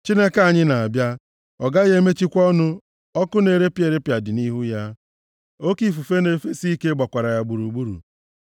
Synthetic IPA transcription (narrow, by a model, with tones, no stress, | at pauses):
t͡ʃi˦ne˦ka˨ɲɪ˦na˨a˨bja˦ | ɔ˨ɡa˦ɣe˦me˦t͡ʃi˦kʷɔ˦nʊ˦ | ɔ˦kʊ˦ne˨ɾe˦pje˨ɾe˦pja˨dɪ˨ni˦ɦu˦ja˦ | o˦ki˨fu˨fe˦ne˨fe˦si˦i˦ke˦ɡ͡ba˨kʷa˨ɾa˨ja˦ɡ͡bu˨ɾu˨ɡ͡bu˦ɾṵ˨